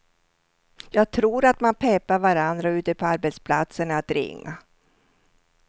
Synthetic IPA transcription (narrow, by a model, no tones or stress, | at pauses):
jɑːɡ̚t̪ʰɾuːɾat̪manpʰɛpːavaɾand̪ɾaʉ̟ːt̪əpʰɔaɾbɛt̪spʰlat̪sənat̪ɾɪ̰ŋːa̰